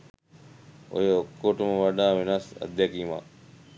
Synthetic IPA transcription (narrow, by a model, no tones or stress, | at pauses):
ʊ̰ɦoːkoːʈmãːʋəɖãːʋɪnaːsə̰d̪ʱjaːkiːmã̰ː